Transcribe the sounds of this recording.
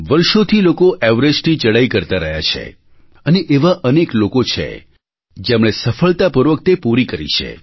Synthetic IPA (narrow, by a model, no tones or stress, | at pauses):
ʋəɾʃot̪ʰilokoʔɛʋɾed͡ʒtit͡ʃəɽaikəɾt̪aɾəɦja̰t͡ʃʰḛ | əneʔeʋaʔəneklokot͡ʃʰḛ | d͡ʒemɽ̃esəfəɭt̪apəɾʋək̚t̪epuɾikəɾḭt͡ʃʰḛ